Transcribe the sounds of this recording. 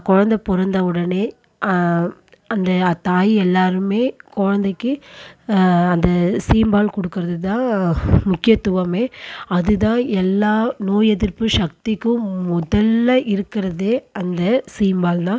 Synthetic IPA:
kɔɻɐnd̪ɐpɔɾɐnd̪ɐʊɽɐneː | ɐ | ɐnd̪ɐt̪aːjɛlːaːɾɯmeːkɔɻɐnd̪ɐkːɯ | ɐnd̪ɐsiːmbaːlkɔɽɯkːɯɪɾɐðɯt̪ãːmʊkːɪjɐt̪ːʊʋɐmeːɐðɯt̪ãːɛlːaːnoːjɛðɪɾpɯʂɐk̚t̪ɪkːɯ̃mʊðɐlːɐʔɪɾɯkːɪɾɐðɯɐnd̪ɐsiːmbaːlt̪ãː

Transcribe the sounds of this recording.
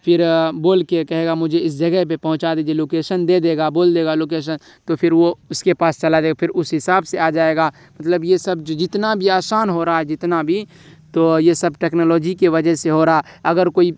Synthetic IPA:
pʰɪɾboːlkekɛɦeːɡamʊd͡ʒʱeɪs̬d͡ʒɐɡəɦpepɐɦʊ̃t͡ʃad̪ed͡ʒeloːkeːʃənd̪ed̪eːɡaboːld̪eːɡaloːk̬eːʃ̬ən | t̪opʰɪɾʋoʊskepaːst͡ʃɐlad̪eːɡapʰɪɾʊsɦɪsaːbsead͡ʒaːeɡa | mɐt̪ləbjesəbd͡ʒod͡ʒɪt̪nabʱiaːsaːnɦoɾaɦaɛd͡ʒɪt̪nabʱi | t̪ojesəbʈeːknoːlɔːd͡ʒikeʋəd͡ʒəɦseɦoɾaɦaɐɡəɾkoːi

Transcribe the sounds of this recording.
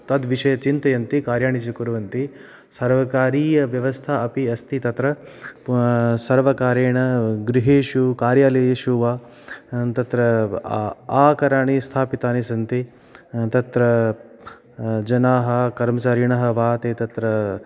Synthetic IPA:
t̪ɐd̪ʋiʂɐjɐt͡ʃint̪ɐjɐnt̪ikaːɾjaːɳit͡ʃikuɾɐʋɐnt̪i | sɐɾʋɐkaːɾiːjɐʋjɐʋɐst̪ʰaɐpiɐst̪ʰit̪ɐt̪ɾɐ | sɐɾʋɐkaːɾeːɳɐɡɾiɦeːʃukaːɾjaːleːʃuʋaː | t̪ɐt̪ɾɐ | aːkɐɾaːɳist̪ʰaːpit̪aːnisɐnt̪i | t̪ɐt̪ɾɐ | d͡ʒɐnaːɦɐkɐɾmɐt͡ʃaːɾiɳɐɦɐ̆ʋaːt̪eːt̪ɐt̪ɾɐ

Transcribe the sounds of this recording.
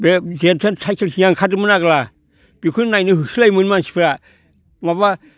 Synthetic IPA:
bezentʰensʰajkʰelsijaŋkʰadɯmɯnaɡla | b̥ikʰunnajnɯhɯsʰɯlajmɯnmansʰi̥pʰɾa | maba

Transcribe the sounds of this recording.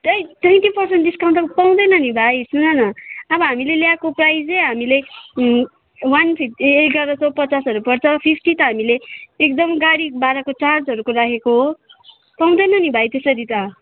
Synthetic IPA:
ʌjnʌj̃ʈ̪ipʌrsenʈd̪iskaw̃nt̪ʌpaw̃d̪ʌjnʌnibʱajsʰunʌnʌʌbʌɦamileljakoprajd͡zʌjɦamile | wanpʰipeɡʌɾʌsʰʌpʌt͡sasʌɾupʌrt͡sʰʌpʰipʰʈit̪ʌɦamileːk̚d̪ʌmɡaɽibaɾʌkot͡sard͡zɦʌɾukoɾakʰekoɦo | paw̃d̪ʌjnʌnibʱajt̪esʌɾit̪ʌ

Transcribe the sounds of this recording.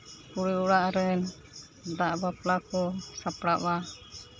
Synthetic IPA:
puɽiuɽaʔɾɛn | daʔbaplakɔsapɽaʔwa

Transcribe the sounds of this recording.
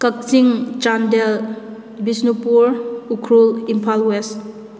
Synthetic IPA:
kak̚siŋt͡ʃandɛl | bisnupuɾukʰɾulimpʰalwes

